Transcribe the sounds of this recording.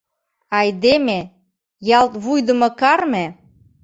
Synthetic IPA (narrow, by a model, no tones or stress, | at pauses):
ɑjd̪eme | jɑlt̪βujd̪ə̆mɤ̆kɑrme